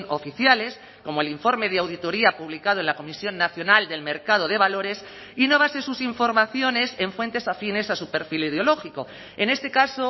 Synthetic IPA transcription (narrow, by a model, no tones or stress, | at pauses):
ofiθjale̞s | ko̞moeliɱfo̞ɾme̞ð̞eawðit̪o̞ɾiapuβlikað̞oe̞nlako̞misjo̞nːaθjo̞nald̪e̞lme̞ɾkaðo̞ð̞e̞βalo̞ɾe̞s | ino̞β̞asesusiɱfo̞ɾmaθjo̞ne̞se̞ɱfwe̞nt̪e̞safine̞sasupe̞ɾfilið̞eo̞lo̞xiko̞ | e̞ne̞st̪e̞kaso